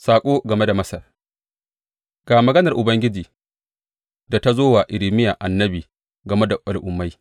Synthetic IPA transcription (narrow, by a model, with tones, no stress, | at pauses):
saː˨kʷʼoː˦ɡɐ˨me˦da˨mɐ˦sɐ˨r | ɡ̥aː˨mɐ˨ɡɐ˦nɐ˨rʔʊ˨bɐ˦ŋɡʲɪ˦d͡ʒiː˨ | da˨ta˦zoː˦wa˨ʔɪ˨lɪ˨mɪ˦ja˨ʔa˨nːɐ˦biː˨ | ɡɐ˨me˦da˨ʔa˨lʔʊ˨mːa˦j